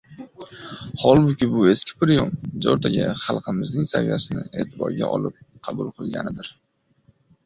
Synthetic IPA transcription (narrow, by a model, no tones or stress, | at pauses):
hɒlˠbʊkʲɪbʊe̞skʲɪ̥pʰɪɾjomd͡ʒɒɾt̪ʰaɡʲɪχɑlˠqʰɨmɪznɪŋsavijasɪnɪe̞ːt̪ʰɪbɒ̰ɾɡʲa̰ʔɒ̰lˠɪp̚qʰɑbʊlˠqʰɨlˠɡʲa̰nɪd̪ɪɾ